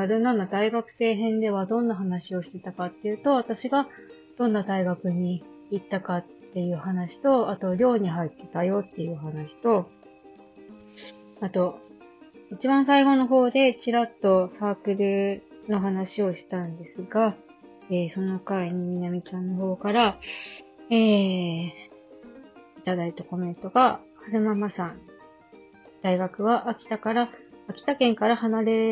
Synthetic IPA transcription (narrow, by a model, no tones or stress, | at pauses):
aɾɯnanad̪aiɡakɯ̟̥se̞ːɦẽ̞nd̪e̞βad̪õ̞nːaɦanaɕio̞ɕi̥t̪e̞t̪akat̪ːe̞jɯ̟ːt̪o̞βat̪aɕiɡa | d̪̥õ̞nːad̪aiɡakɯ̟ɲ̟iː | t̪ːakat̪ːe̞jɯ̟ːhanaɕi̥t̪o̞at̪o̞ɾʲo̞ːɲ̟iɦait̪ːe̞̥t̪ajo̞t̪ːe̞jɯ̟ːhanaɕi̥t̪o̞ | at̪o̞ | it͡ɕibãɰ̃saiɡo̞no̞ɦo̞ːd̪e̞t͡ɕiɾat̪ːo̞saːkɯ̟ɾɯ̟no̞ɦanaɕio̞ɕi̥t̪ãnd̪e̞sɨɡa | eːso̞no̞kaiɲ̟imʲinamʲit͡ɕãnːo̞ɦo̞ːkaɾa | eː | i̥t̪ad̪ait̪ako̞mẽ̞nt̪o̞ɡahaɾɯmamasãn | d̪̥aiɡakɯ̟βaʔːkʲi̥t̪akaɾaːkʲi̥t̪akẽ̞ŋkaɾahanaɾe̞